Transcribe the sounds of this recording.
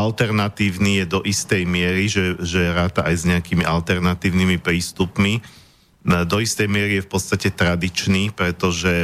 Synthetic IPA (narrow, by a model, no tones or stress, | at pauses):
alt̪ɛɾnat̪iːʊniːjɛd̪ɔʔist̪ɛjmɪɛɾiʒɛʒɛɾaːt̪aʔajzɲɛakiːmiʔalt̪ɛɾnat̪iːʊnimipɾiːst̪upmi | d̪ɔist̪ɛjmɪɛɾijɛfpɔt̪st̪acɛt̪ɾad̪it͡ʃniːpɾɛt̪ɔʒɛ